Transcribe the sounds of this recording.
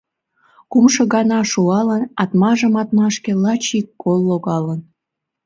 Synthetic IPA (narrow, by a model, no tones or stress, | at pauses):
kumʃŏɣɑnɑʃuɑlənɑt̪mɑʒəmɑt̪̚mɑʃkelɑt͡ɕikːolːoɣɑlən